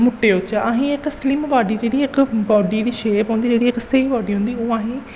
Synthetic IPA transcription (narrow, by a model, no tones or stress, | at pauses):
mʊʈːeːʊt͡ʃaɦĩːɪkslɪmbaːɖiːd͡ʒeːɽiːɪkbɔːɖiːd̪iːʃeːpãːnd̪iːd͡ʒeːɽiːɪkseibɔːɖiːɦʊ̃nd̪iːoːaːɦĩː